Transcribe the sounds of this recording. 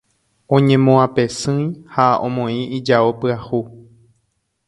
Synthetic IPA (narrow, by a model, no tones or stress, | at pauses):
õɲẽ̞mõãpesɨ̃j̃haõ̰mõĩid͡ʒaopɨahu